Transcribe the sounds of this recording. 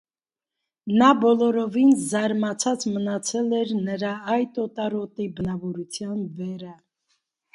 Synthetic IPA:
nɑbɔlɔɾɔvinzɑɾmɑt͡sʰɑt͡smənɑt͡sʰɛlɛɾnəɾɑɑjt̪ɔt̪ɑɾɔt̪ibənɑvɔɾut͡sʰjɑnvɛɾɑ

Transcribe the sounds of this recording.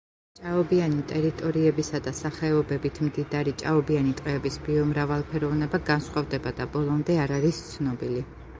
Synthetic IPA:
t͡ʃʼaɔbianit̪ʼɛɾit̪ʼɔɾiɛbisad̪asaχɛɔbɛbit̪ʰmd̪id̪aɾit͡ʃʼaɔbianit̪ʼqʼɛːbisbiɔmɾavalˠpʰɛɾɔvnɛbaɡansχwavd̪ɛbad̪abɔlˠɔmd̪ɛaɾaɾist̪sʰnɔbili

